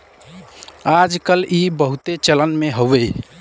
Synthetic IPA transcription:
ad͡ʒkəlʔibəɦut̪et͡ʃələnmeɦoʋəj

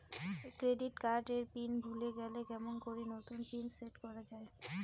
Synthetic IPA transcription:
kɾeɖiʈkaɾɖeɾpinbʱuleɡɛlekɛmonkoɾenot̪unpinseʈkɔɾad͡ʑae

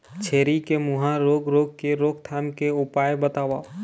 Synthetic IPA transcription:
t͡ʃʰeːɾikemʊɦãɾoːɡɾoːɡ̚keɾoːkt̪ʰaːmkeʊpaːjbət̪aːʋaː

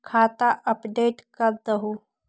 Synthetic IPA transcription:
kʰaːt̪aʔəpɖeːʈkəɾd̪əɦu

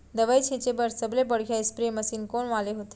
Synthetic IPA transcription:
d̪əʋajt͡ɕʰẽt͡ɕebəɾsəblebəɽkʰjaispɾieməsiːnkoɳʋaleɦot̪e̥

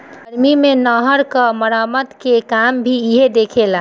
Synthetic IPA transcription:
əɾmimẽnɔɦəɾkəməɾaməd̪kekambʱiɪɦed̪eːkʰela

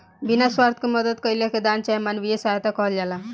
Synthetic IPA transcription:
binaswaɾt̪ʰkomʌd̪ət̪̚kʌjleked̪ant͡ʃaemanʋijesaɦjt̪akɔɦld͡ʒala

